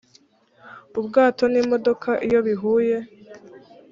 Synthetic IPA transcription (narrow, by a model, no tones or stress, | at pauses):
ubɡaːto̞nimo̞do̞kʰaʔijo̞βiɦuːje̞